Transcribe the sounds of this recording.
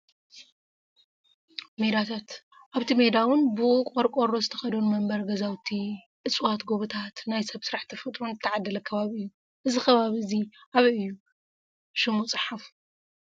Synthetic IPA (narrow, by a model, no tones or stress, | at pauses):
me̞d̪at̪ʰat̪ | ʔaβt̪ʰimed̪awʊnbɨʔukʼoɾkʼoɾozɨt̪ʰɐ̥xɐd̪onmɐmbɐɾɡɐzawt̪ʰi | ʔɨt͡sʼwat̪ɡoβɨt̪ʰat̪najsɐβsɨɾaħt̪ʰɐfɐt̪ʼɾunɨt̪ʰːɐʕad̪ːɐlɐkʰɐβaβiɨjːu | ʔɨzixɐβaβiɨziʔaβiɨjːu | ʃɨmut͡sʼɨħaf